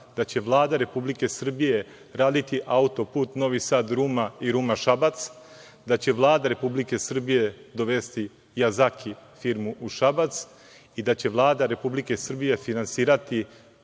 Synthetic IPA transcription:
d̪at͡ɕe̞ʋlˠaːd̪aɾe̞publike̞sr̩bije̞ | ɾaːd̪it̪iʔaut̪o̞puːt̪no̞ʋisaːd̪ɾuːmaiɾumaʃabat̪s | d̪at͡ɕe̞ʋlˠaːd̪aɾe̞publike̞sr̩bije̞d̪o̞ʋe̞st̪i | jazakʰifiɾmuʔuʃabat̪s | id̪at͡ɕe̞ʋlˠaːd̪aɾe̞publike̞sr̩bije̞finansiːɾat̪i

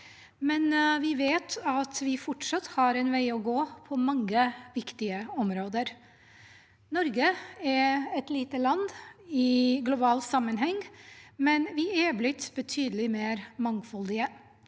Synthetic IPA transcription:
mɛnʋɪʋeːt̪ʰɑt̪ʋɪfɔʈʂɑt̪ːhɑɾɛnʋæɪɔɡoːpʰɔmɑŋːəʋɪkt̪ɪəɔmɾoːd̪əɾ | nɔɾɡəɛɾɛt̪liːt̪əlɑnd̪ɪɡlʊbɑːlsɑmːənɦɛŋːmɛnʋɪæblɪt̪bət̪ʰyːd̪əlɪmeːɾmɑŋfɔld̪ɪə

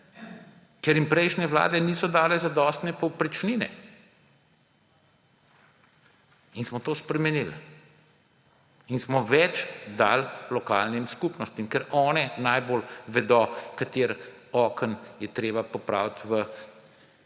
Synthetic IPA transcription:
kɛɾjimpɾɛjʃnʲɛʋla̰ːd̪ɛniːsɔd̪aːlɛzad̪ɔːst̪nɛpɔwpɾit͡ʃniːnɛ̰ | insmɔt̪oːspɾɛmɛnil | insmɔʋɛt͡ʃd̪a̰llɔka̰lnimskupnɔst̪imkɛɾɔːnɛnaːjbolʋɛd̪ɔkat̪eɾ | ɔːkənjɛt̪ɾeːbapɔpɾa̰ːwt̪ʋə

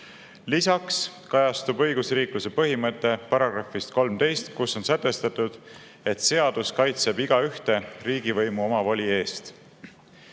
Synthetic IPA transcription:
lisɑks | kɑjɑst̪ubɤ̞jɡ̥usriːkluse̞pɤɦimɤt̪ːˑe̞pɑɾɑɡ̥rɑfist̪ko̞lmt̪e̞jst̪kusːo̞nsæt̪ːˑe̞st̪ɑt̪ːˑud̪̥ | e̞t̪se̞ɑd̪̥uskɑjt̪se̞biɡ̥ɑyht̪e̞riːɡivɤjmuo̞mɑvɑlʲie̞ːst̪

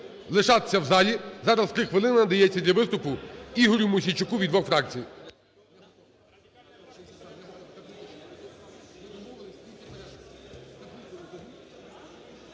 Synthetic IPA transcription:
lˠɪʃɑt̪e̥sʲɐwzɑlʲizɑɾɐst̪ɾɪxʋɪlˠɪnɐnɐd̪ɐjɛt͡sʲːɐd̪lʲɐʋɪst̪ʊpʊiɦɔɾʲʊmʊsʲit͡ʃʊkuʋʲid̪ʋɔxfɾɑkt͡sʲij

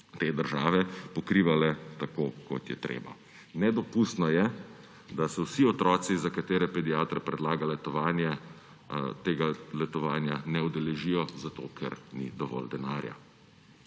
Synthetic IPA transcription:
t̪eːd̪əɾʒaːʋɛpɔkɾiːʋalɛt̪akoːkɔ̰t̪jɛ̰t̪ɾḛːba̰ | nɛd̪ɔpust̪nɔjɛ | d̪asɛwsiɔt̪ɾɔːsizakat̪eːɾɛpɛd̪ijaːt̪ɾɛpɾɛd̪laːɡalɛt̪ɔʋaːnjɛ | t̪eːɡalɛt̪ɔʋaːnjanɛud̪ɛlɛʒijɔzat̪o̰kʰɛ̰ɾnḭd̪ɔʋɔ̰ld̪ɛnaːɾja̰

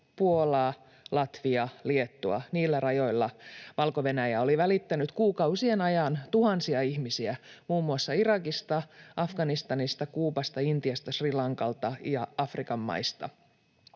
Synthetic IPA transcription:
puo̞lɑː | lɑt̪ʋiɑliet̪ːuɑ̰niːlːærɑjo̞jlːɑʋɑlkoʋe̞næjæo̞liʋælit̪ːænyt̪kuːkɑusienɑjɑnt̪uhɑnsiɑihmisiæmuːmːuɑsːɑirɑkist̪ɑʔɑfɡ̥ɑnist̪ɑnist̪ɑkuːpɑst̪ɑint̪iɑst̪ɑsrilɑŋkɑlt̪ɑjɑɑfrikɑmːɑ̰ist̪ɑ̰

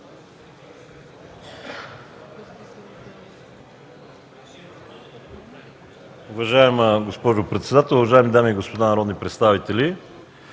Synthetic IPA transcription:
ʊvɐʒaɛmɡospɔʒʊpɾɛt̪sɛd̪at̪ɛlˠʊvɐʒaɛmid̪amiɡospod̪anɐɾɔd̪nipɾɛt̪st̪avit̪ɛli

